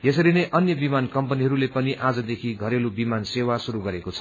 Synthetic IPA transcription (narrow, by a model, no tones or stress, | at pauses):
jesʌɾinʌjʔʌnjʌbimankʌmpʌniɦʌɾulepʌniʔad͡zʌd̪ekʰiɡʱʌɾelubimansewasuɾuɡʌɾekot͡sʰʌ̥